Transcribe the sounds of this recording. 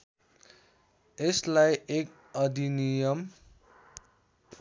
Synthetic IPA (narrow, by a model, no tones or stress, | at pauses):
eslajek | ʌd̪inijʌm